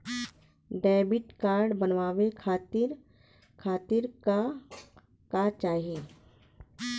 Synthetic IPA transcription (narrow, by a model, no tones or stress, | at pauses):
ɖɛːbɪʈkaːɾɖbənʋaːwekʰaːt̪ɪɾ | kʰaːt̪ɪɾa | kat͡ʃaːɦieː